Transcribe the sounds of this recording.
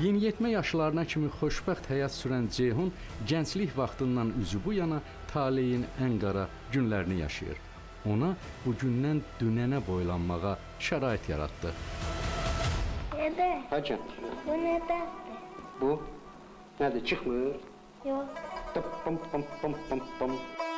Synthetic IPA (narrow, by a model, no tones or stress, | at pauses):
jinjet̪mæjɑʃɯlˠɑɾɯnɑcʰimiχo̞ʃbæχt̪hæjɑt̪syɾænd͡ʒeɦunɟænt͡ʃliçvɑχt̪ɯnd̪ɑnyzybujɑnɑ | t̪ʰɑːlijinæŋɡɑɾɑ | ɟynlæɾinijɑ̰ʃɯ̰jɯ̰ɾ | o̞nɑ | b̥uɟynːænd̪̥ynænæbo̞jlˠɑnmɑʁɑ | ʃæɾɑːit̪ʰjɑ̰ɾɑ̰t̪d̪ɯ | ed̪æhæd͡ʒʰænuned̪æd̪ibu | næd̪it͡ʃʰɯχmɯɾ | jot̪pːmpmpmpmpam